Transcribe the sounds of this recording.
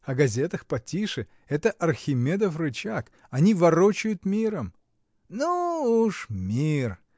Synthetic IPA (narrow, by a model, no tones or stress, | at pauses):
ɐɡɐzʲet̪əxpɐtʲiʂɨ | ɛt̪əʔɐrxʲɪmʲed̪əfrɨt͡ɕak | ɐnʲivɐɾot͡ɕʊjʊt̪mʲiɾəm | nuuʂmʲir